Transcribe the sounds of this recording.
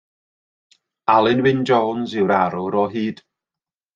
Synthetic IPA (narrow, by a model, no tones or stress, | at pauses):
alˠɪnwɪnd͡ʒɔːnzɪwɾaɾʊɾɔɦiːd̥